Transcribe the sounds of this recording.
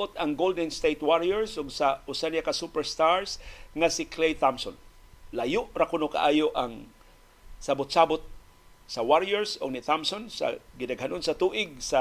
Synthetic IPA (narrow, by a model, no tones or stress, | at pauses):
ʔʊt̪aŋɡold̪ɛnst̪ejt̪̚waɾiɛɹsʔʊɡsaʔʊsanijakasupɛɹst̪aɹsŋasɪkʰlejt̪amson | lajʊʔɾakʊnoka̰ʔaːjoʔaŋ | sabʊt̪̚sabʊt̪̚ | sawaɾiɛɹsʊ̰ɡ̚nit̪amsonsa̰ɡɪdaɡhanonsat̪uːʔɪɡ̚sa